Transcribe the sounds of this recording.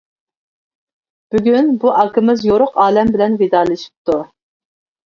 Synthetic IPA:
b̥yɡʲynbuʔɑkɪmɪzjoɾʊqɑːlɛmbɪlɛnvid̪ɑːlɪʃi̥p̚t̪ʰu

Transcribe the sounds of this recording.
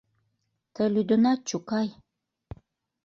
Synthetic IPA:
t̪ʰəlyd̪onɑt͡ʃukɑj

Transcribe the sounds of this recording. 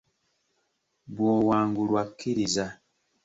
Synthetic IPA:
bwɔwaŋɡulwakʰiɾiza

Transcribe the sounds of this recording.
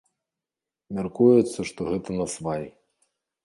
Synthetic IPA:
mʲarkujut̪sːɐʂt̪ɔɣɛt̪ɐnɐsvaj

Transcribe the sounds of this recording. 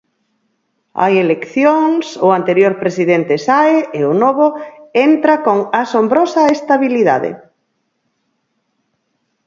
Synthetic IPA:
a̰jelekθjoŋsʊant̪eɾjoɾpɾesiðent̪ɪsaeɪʊnoβʊent̪ɾakoŋasombɾosaest̪aβiliða̰ðḛ

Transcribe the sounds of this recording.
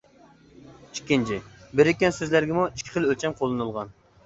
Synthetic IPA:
i̥kʲːint͡ʃʰibɪɾɪkʲːɛnsɪzlæɾɡʲɪmuiʃkʲʰːi̥χəlˠølt͡ʃʰɛmqʰolˠːɨnɨlˠʁɑn

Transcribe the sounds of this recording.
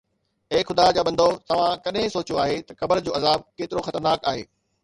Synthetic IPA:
eːxʊd̪ad͡ʑaːbɐ̃nd̪ʱot̪ɐʋ̤ãkɐɗɦẽsoːt͡ɕjoaːɦet̪ɐxɐbəɾd͡ʑoːɐzaːb̚keːt̪ɪɾoxɐt̪əɾnaːka̰ːɦḛː

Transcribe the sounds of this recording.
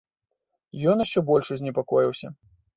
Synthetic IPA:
jɔnjaʂt͡ʂɛbɔlʲʂuzʲnʲɛpakɔjiwsʲɐ̰

